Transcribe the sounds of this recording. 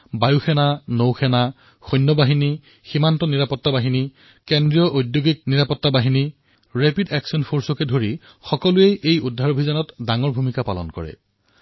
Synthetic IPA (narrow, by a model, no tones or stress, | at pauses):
bajuxʰɛnanowxʰɛna | xɔjnːɔbaɦini | ximantɔniɹapɔtːabaɦini | kendɹijɔʔojdjoɡik̚niɹapɔtːabaɦini | ɹɛpidɛksiɔnpʰoɹsɔkɛdʱoɹi | xɔkɔlʊejʔejudʱaɹobʱizanɔtdaŋɔɹbʱumikapa̰lɔ̰nkɔ̰ɹɛ̰